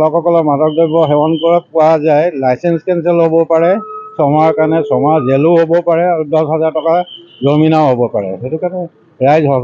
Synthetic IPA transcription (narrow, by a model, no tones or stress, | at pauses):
lɔkhɔkɔlɔɹmatɔk̚dɔbɔɦɛwɔnkɔɹapʊwazajlajsɛnskɛnsɛlɦobɔpaɹɛsɔmaɹkaɹnɛsɔmazelʊɦobɔpaɹɛadɔsɦazaɹtɔkazominaʊɦobɔpaɹɛ̰ɦetukanɛ | ɹajzɦɔ